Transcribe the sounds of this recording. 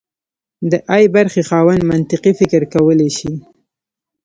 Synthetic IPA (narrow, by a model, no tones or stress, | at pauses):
d̪əʔajbaɾxexɑwanmant̪ɪqifɪkɾkawəleʃi